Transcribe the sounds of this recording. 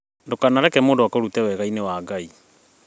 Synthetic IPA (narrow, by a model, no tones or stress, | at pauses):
ndokanaɾɛkɛmoːndowakoɾutɛwɛɣainewaɡai